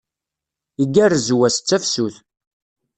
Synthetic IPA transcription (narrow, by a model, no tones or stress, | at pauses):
iɡærzwæst͡sːæfsuθ